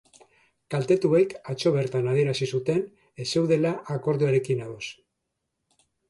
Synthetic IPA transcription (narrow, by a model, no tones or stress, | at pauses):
kalt̪e̞t̪uekat͡ʃo̞βe̞ɾt̪anað̞ie̞ɾasisut̪e̞n | ese̞wðe̞laʔːko̞ɾðuaɾe̞kinaðo̞s